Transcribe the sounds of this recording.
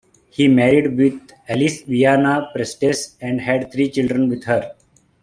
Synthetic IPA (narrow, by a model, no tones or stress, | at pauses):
hiːmɛːɾiɖʋɪd̪ | ɛlisʋijaːnapɾesʈesɛ̃ɳɖɦɛɖt̪ʰɾiːt͡ʃɪlɖɾə̃nʋɪd̪həɾ